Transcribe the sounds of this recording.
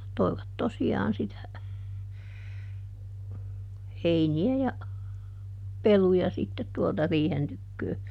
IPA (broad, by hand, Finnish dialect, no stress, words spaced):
toi̯ʋɑt tosiɑːn sitæ heiniæ jɑ pelujɑ sitːet tuoltɑ riːhen tykːøː